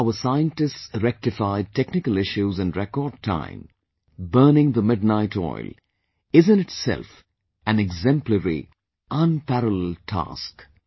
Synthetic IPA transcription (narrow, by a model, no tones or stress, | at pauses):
aʊəsaɪə̃ntɨstsɾɛk̚tɪfaɪd̚tʰɛknɪkəlɪʃuzɨ̃nɾɛkɔːd̚tʰã̰ɪ̃m | bɜːnɪ̃ŋðəmɪd̚ⁿnaɪtʰɔ̰ɪl | ɪzɨ̃nɨtsɛ̰lf | æ̃nɛɡzɛ̃mpləɹḭ | ʔə̃npæɾələltʰa̰sk